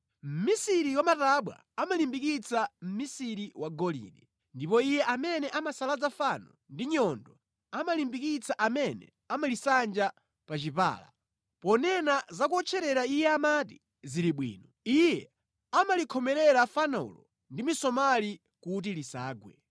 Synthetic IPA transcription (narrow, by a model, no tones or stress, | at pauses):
m̩misiɾiwamataɓwa̰ | amalimbikit͡sam̩misiɾiwaɡɔlḭnɛ | ndipɔijɛʔamɛnɛʔamasalad͡zafanɔ̰ | ndiɲɔndɔ | amalimbikit͡sʰaʔamɛnɛ̰ | amalisand͡ʒa | pat͡ʃipa̰ːla̰ | pɔnɛnazakuɔt͡ʃʰɛɾɛɾaijɛamati | ziɾiɓwḭːnɔijɛ | amalikʰɔmɛɾɛɾafanaṵlɔ | ndimisɔmali | kut̬ilisaːɡwɛ̰